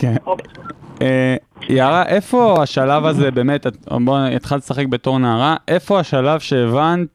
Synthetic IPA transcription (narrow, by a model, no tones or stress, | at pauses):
ken | ejaaʁaʔe̞fo̞aʃalavazebe̞ːme̞taboit̪χaltesaχek̚be̞to̞ʁnaːʁaʔe̞fo̞aʃalavʃe̞ːvant